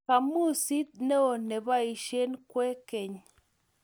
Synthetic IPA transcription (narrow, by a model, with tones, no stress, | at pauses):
ka˨mu˦˨si˦t̪̚ne˦o˨ne˨ba˦i˨ʃe˦nkwe˦ke˨ɲ